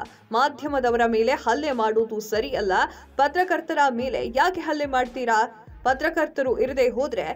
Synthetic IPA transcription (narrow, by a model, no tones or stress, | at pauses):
maːd̪ʱjɐmɐd̪ɐʋɐɾɐme̞ːle̞hɐlːemaːɽoːd̪usɐɾijɐlːɐ | pɐt̪ɾɐkɐɾt̪ɐɾɐme̞ːlḛjaːkeɦɐlːemaːɖt̪iːɾaː | pɐt̪ɾɐkɐɾt̪ɐɾuʔiɾd̪eɦoːd̪ɾe̞